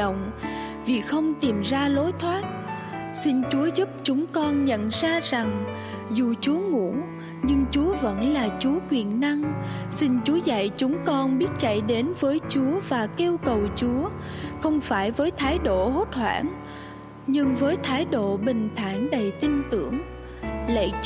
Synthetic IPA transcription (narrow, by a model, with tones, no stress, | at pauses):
ə̰˧˨wŋ͡m | vi˨˩xə˧wŋ͡mt̪i˨˩mzaː˧lo˨˦jt̪ʰwaː˦˥t̚ | sï˧nt͡ɕu˨˦əzu˦˥p̚t͡ɕʊ˨˦ŋ͡mkɔ˧nɲə̰˧˨nzaː˧za˨˩ŋ | zu˨˩t͡ɕu˨˦əŋṵ˧˥ | ɲɨ˧ŋt͡ɕu˨˦əvə̰˧˥nlaː˨˩t͡ɕu˨˦əkwi˨˩ənːa˧ŋsi˧ŋt͡ɕu˨˦əza̰˧˨jt͡ɕʊ˨˦ŋ͡mkɔ˧nɓi˦˥ət̚t͡ɕa̰˧˨jɗe˨˦nvəː˨˦jt͡ɕu˨˦əvaː˨˩ke˧wkə˨˩wt͡ɕu˨˦ə | xə˧wŋ͡mfaː˧˩jvəː˨˦jt̪ʰaː˨˦jɗo̰˧˨ho˦˥t̚hwa̰ː˧˩n | ɲɨ˧ŋvəː˨˦jt̪ʰaː˨˦jɗo̰˧˨ɓï˨˩ŋ̟t̪ʰa̰ː˧˩nɗə˨˩jt̪i˧nt̪ɨ˧˩əŋ | lə̰˧˨